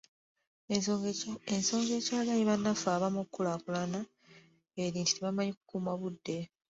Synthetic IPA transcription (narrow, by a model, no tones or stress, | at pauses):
enso̞ːŋɡe̞ːcaːlajeβanːafaːβamukːulakulana | eɾiːnti̥teβamaɲiku̥kuːmaβudːe̞